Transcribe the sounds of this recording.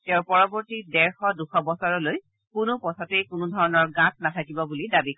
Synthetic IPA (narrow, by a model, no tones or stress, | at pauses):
tɛʊ̃pɔɹɔbɔɹtidɛɹxɔduxʰɔbɔsɔɹɔloj | kʊnʊpɔtʰatejkʊnʊdʱɔɹɔnɔɹɡãt̚natʰakibɔbulidabikʰ